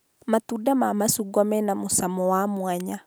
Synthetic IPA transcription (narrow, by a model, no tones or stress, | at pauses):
matudamamasuɡɔmɛnamusamɔwamwaɲa